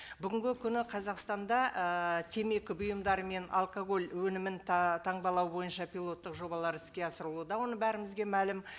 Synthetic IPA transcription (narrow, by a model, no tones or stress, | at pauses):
bʏɡʲɪŋɡʲɪkʲʰʏnɪqʰɑzɑqst̪ɑnd̪ɑʔət̪ʰe̞me̞kʲɪbʊjəmd̪ɑɾəme̞nʔa̰lˠkoɡo̞lʲwɵnɪmɪnt̪ʰɑɴbɑlˠɑwbo̞jənʃɑpʲijlˠo̞t̪ːəqʒo̞bɑlˠɑɾɪskʲe̞ɑsəɾəlˠuəd̪ɑwo̞nəbæɾɪmɪzɡʲe̞mælɪm